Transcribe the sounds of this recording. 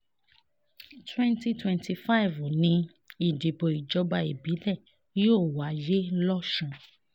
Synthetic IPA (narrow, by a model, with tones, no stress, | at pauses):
twɛ̃˦nti˧˦twɛ̃˧ntʰi˧fa˦i˨vo˨nĩ˧ | i˨di˨bo˨i˨d͡ʒɔ˧˦ba˧i˨bi˨˦lɛ˦˨ | joː˦˨wa˨˦je˦lɔ˦ʃũ˧